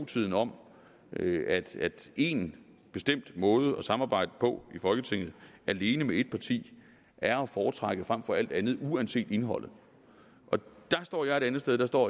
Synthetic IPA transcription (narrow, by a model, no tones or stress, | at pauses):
t͡sʰið̞̰ˠn̩ɒ̽m̰ | æd̥æd̥e̝n | b̥e̝sd̥em̰d̥mɔ̽ːð̞ˠəɒ̽sɑ̈mɑ̈ːb̥ɑ̈ɪ̰d̥əpʰɒ̽ifɒ̽lɡ̥ət͡sʰe̝ŋ̰ð̩ˠʔæle̝ːnəmee̝d̥̚pʰɑ̈t͡sʰḭː | ʔæɐɒ̽fɒːt͡sʰʁɑ̈ɡ̥əfʁɑ̈m̰fɒ̽æl̰d̥ænð̞̩ˠuænse̝̰ːd̥e̝nɦɒ̽l̰ð̩ˠ | ʔɒ̽d̥ɑ̈sd̥ɒ̰ːjɑ̈ɪe̝ɾ̥ænð̞̩sd̥eð̞̥ˠɑ̈sd̥ɒ̰ː